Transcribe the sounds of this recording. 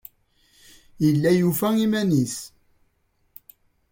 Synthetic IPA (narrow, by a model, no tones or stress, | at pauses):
jəlːæjufæimænis